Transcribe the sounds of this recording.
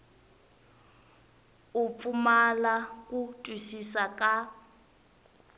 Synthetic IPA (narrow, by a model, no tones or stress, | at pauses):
up̪fumalakutʼwisisakʼa